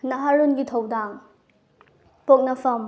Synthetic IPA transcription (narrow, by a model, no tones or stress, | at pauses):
nɐɦaɾunɡitʰɐwdaŋ | pok̚nɐpʰɐm